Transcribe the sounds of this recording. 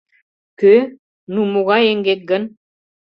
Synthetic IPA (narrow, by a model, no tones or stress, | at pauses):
kø | numuɣɑeŋɡet̪̚ɡən